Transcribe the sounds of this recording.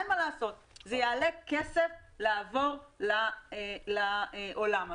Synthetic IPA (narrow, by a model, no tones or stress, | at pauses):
malaːso̞t̪ | zejaːlekesefleavo̞ʁlalaʔolama